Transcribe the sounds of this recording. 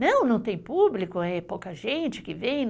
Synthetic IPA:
nɐ̃w̃nɐ̃w̃t̪ẽj̃publikʊɛpowkɐʒẽnt͡ʃɪ̥kɪvẽj̃n

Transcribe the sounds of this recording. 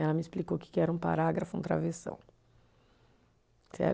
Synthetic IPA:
ɛlɐmɪɪsplikowkɪ̥kɪɛɾɐũpa̰ɾaɡɾɐfʊṵ̃t̪ɾa̰vesɐ̰̃w̃ | sɛ̰ɾ

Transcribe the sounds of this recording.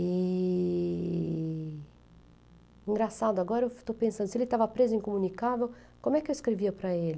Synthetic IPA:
i | ĩŋɡɾasad̪ʊaɡɔɾɐewt̪opẽsɐ̃nd̪ʊsielɪt̪avɐpɾezʊĩŋkomũnikavew | kõmʊɛkɪewiskɾeviɐpɾɐelɪ

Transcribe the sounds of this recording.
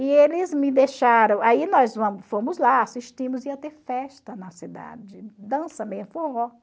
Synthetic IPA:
ɪelɪzmɪd̪eʃaɾɐ̃w̃ainɔzvɐ̃mʊfõmʊzlaasiʃt͡ʃĩmʊziɐt̪eɾfɛʃt̪ɐnɐsid̪a̰d͡ʒɪd̪ɐ̃sɐmẽj̃fohɔ

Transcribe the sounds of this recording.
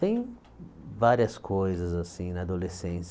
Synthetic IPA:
ẽj̃ | vaɾiɐskʰojzɐzasĩnɐːd̪olesẽs

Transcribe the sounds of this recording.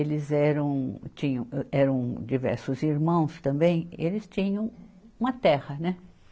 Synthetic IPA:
elɪzɛɾɐ̃w̃t͡ʃĩɲɐ̃w̃ɛɾɐ̃w̃d͡ʒivɛ̰ɾsʊziɾmɐ̃w̃st̪ɐ̃mbẽj̃elɪst͡ʃĩɲɐ̃w̃ | ũmɐt̪ɛhɐnɛ

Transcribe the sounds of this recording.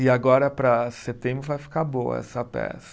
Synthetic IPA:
ɪaɡɔɾɐpɾɐset̪ẽmbɾʊvajfi̥kaɾboɐ̰ɛ̰sɐpɛ̰sɐ̥

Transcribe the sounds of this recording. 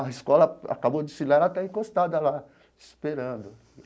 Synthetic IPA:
ɐiskɔlɐa̰kabod͡ʒ̪ɪsilaɾat̪aĩkost̪ad̪ɐla | ispeɾɐ̃nd̪ʊ

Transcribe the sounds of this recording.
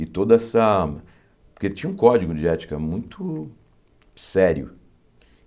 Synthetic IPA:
ɪt̪od̪ɐɛsɐ | poɾket͡ʃĩɲɐũkɔd͡ʒiɡʊd͡ʒɪɛt͡ʃi̥kɐmũj̃t̪ʊ | sɛɾiʊ̰

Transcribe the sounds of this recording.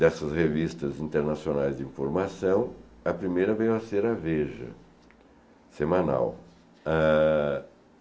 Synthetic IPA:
d̪ɛsɐshevist̪ɐzĩnt̪eɾnasionajzd͡ʒɪĩfoɾmasɐ̃w̃ɐpɾimejɾɐvẽjwɐseɾɐveʒɐ̰ | semɐ̃na̰w | a

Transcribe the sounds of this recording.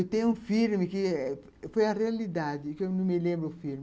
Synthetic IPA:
ewt̪ẽj̃ũfiɾmɪkɪɛ | fojɐrealid̪ad̪ɪkewnɐ̃w̃mɪlẽmbɾʊːfiɾmɪ

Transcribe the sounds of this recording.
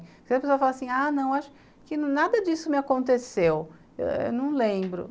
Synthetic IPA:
pkezɐpesoɐfalasĩanɐ̃w̃aʃʊ̥ | kɪnnad̪ɐd͡ʒisʊmɪakõnt̪esew | ḛwḛwnɐ̃w̃lẽbɾʊ̰

